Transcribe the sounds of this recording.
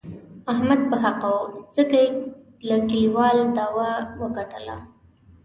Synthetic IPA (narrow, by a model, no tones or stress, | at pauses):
ahmad̪̚pəɦaqawud͡zəkaje | lakiliwɑld̪ɑwawəɡaʈə̰la̰